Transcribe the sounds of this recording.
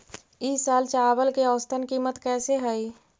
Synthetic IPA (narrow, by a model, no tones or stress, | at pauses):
isaːlt͡ʃabəlkeɔːst̪ʰənkimət̪kɛːseɦəi